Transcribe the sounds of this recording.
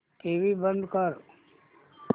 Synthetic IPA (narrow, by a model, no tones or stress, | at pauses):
ʈeːʋibə̃nd̪kəɾ